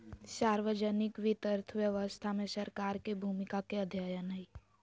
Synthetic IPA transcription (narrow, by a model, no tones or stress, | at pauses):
saːɾʋəd͡ʒənɪkʋɪt̪əɾt̪ʰʋjəʋəst̪ʰamẽsəɾkaːɾkebʱumɪkakeəd̪ʱjaːjənəi